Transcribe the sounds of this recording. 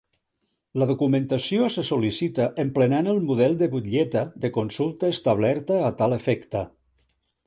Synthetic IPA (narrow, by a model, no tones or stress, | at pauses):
ləðukument̪asijosesulisit̪əʔemplenanəlˠmuð̞ɛlˠd̪əβut̪ʎɛt̪əðəkonsulˠt̪əest̪aβ̞lɛɾt̪əːt̪alefɛkt̪ə